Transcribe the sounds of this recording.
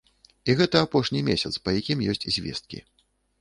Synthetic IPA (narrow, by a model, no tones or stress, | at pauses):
iɣɛt̪ɐapɔʂnʲimʲesʲɐt̪spɐjakʲimjɔsʲt͡sʲzʲvʲɛ̰st̪̚kʲḭ